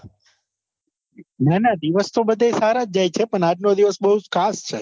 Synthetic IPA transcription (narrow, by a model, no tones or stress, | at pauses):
nanad̪iʋəst̪ʰobəd̪ʱasaɾad͡ʒ̚d͡ʒajt͡ʃʰepəɳad͡ʒnod̪iʋəsbəɦud͡ʒkʰast͡ʃʰe